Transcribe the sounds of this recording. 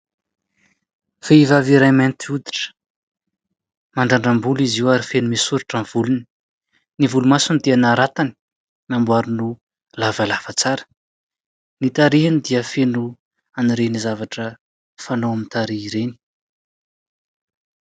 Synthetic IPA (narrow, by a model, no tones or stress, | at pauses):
feivaviɾajment̪iud̪i̥ʈ͡ʂə̥ | maɳɖ͡ʐaɳɖ͡ʐambuliziwaɾifenumisuɾaʈ͡ʂanv̥uluni̥ | nivulumasunid̪ianaɾat̪ani̥ | mambuaɾunu | lavalafət͡saɾə̥ | nit̪aɾiɦanid̪iəfenu | aniɾenizavaʈ͡ʂə | fanoamint̪aɾiiɾeni̥